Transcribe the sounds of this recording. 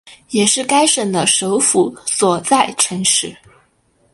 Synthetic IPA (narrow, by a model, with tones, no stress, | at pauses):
jɛ˨˩ʂɻ̩˥˩ka˥ɪʂə˨˩ŋd̪ə˦ʂo˧˥ʊfu˧˥swɔ˨˩t͡sa˥˩ɪʈ͡ʂʰɤ˧˥ŋʂɻ̩˧˩˦